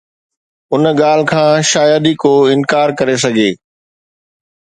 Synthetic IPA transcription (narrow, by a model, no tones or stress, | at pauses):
ʊnɠaːl̤kʰãːʃaːjəd̪ikoːɪ̃nkaːɾkɐɾes̬ɐɡʱeː